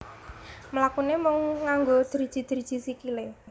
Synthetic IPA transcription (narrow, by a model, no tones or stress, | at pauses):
məlakunemɔŋːaŋɡod̪̥əɾid̥ʒ̥i̤d̪̥əɾid̥d͡ʒ̥isikile